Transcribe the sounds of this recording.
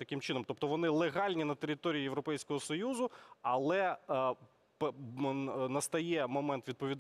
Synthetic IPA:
t̪ɐkɪmt͡ʃɪnɔmt̪ɔpt̪ɔʋɔnɪlˠeɦɑlʲnʲinɐt̪eɾʲɪt̪ɔɾʲijijeʋɾɔpɛjsʲkɔɦɔsɔjuzʊɐlˠɛ | p | nɐst̪ɐjɛmɔmɛnt̪ʋʲid̪̚pɔʋʲid̪

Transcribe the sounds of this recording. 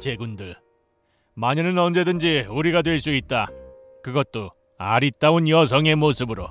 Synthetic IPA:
t͡ɕe̞ɡundɯɭ | maɲinɯnʌnd͡ʑe̞dɯnd͡ʑiuɾiɡadwe̞ɭs͈uit̚t͈a | kɯɡʌt̚t͈o | a̰ɾit͈aonjʌs̬ʰʌŋe̞mosʰɯbɯɾo̰

